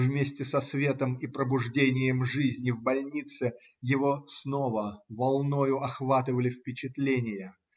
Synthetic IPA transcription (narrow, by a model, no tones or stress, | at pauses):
vmʲesʲtʲɪsɐsvʲe̞t̪əmipɾəbʊʐdʲenʲɪjəmʐɨzʲnʲɪvbɐlʲnʲit̪sɨ | jɪvosnovəvɐlˠnojʊɐxvat̪ɨvəlʲɪfpʲɪt͡ɕɪt̪lʲenʲɪjə